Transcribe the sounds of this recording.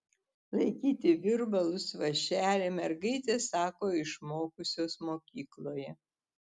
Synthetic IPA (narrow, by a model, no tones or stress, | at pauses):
lˠɐɪkʲiːt̪ʲɪʋʲɪɾbɐlˠʊsʋɐʃʲæːlʲeːmʲɛɾɡɐɪt̪ʲesɑːkoːɪʃmoːkʊsʲoːsmoːkʲiːklˠoːjɛ